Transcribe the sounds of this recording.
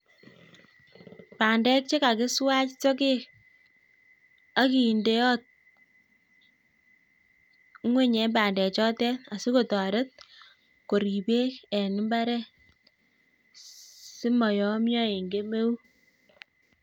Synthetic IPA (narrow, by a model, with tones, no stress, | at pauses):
paː˨ndɛ˦k̚t͡ʃe˦ka˨kɪ˦swa˦t͡ʃt͡ʃo˦k̬e˦ | a˦ki˨nde˦jɔ˦t̚ | ŋwe˦ɲɛ˨˦mbaː˨ndɛ˨t͡ʃɔ˦tɛ˦na˨si˦ko˦˨tɔ˨ɾe˦t̚ | ko˨ɾi˨be˦kɛ˨ni˨˦mba˦ɾɛ˦ | sɪ˦mɔ˨jɔ˨˦mjɔ˦e˨ŋɡe˦me˦u˦